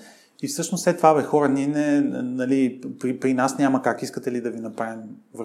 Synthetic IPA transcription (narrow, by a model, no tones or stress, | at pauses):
ifsɤʃnosɛt̪ːvavɛxɔɾənʲiɛnɛnɐlipɾipɾinasnʲaməkakiskət̪ɛlid̪ɐvinɐpɾavʲimvɾ